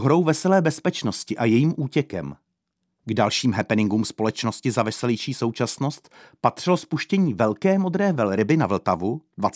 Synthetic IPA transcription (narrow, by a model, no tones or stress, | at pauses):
ɦɾo̞wvɛsɛlɛːbɛspɛt͡ʃno̞scɪʔajɛjiːmʔuːcɛkɛ̰m | ɡdalʃiːmɦɛpɛnɪŋɡuːmspo̞lɛt͡ʃno̞scɪzavɛsɛlɛjʃiːso̞wt͡ʃasno̞st̪pat̪r̝̥ɪlospuʃcɛɲiːvɛlkɛːmo̞d̪ɾɛːvɛlɾɪbɪnavl̩t̪avudvat͡s